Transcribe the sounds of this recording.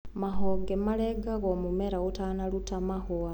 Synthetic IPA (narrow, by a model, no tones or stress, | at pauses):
maɦoɡemaleɡaɣomumeɾautanalutamahoa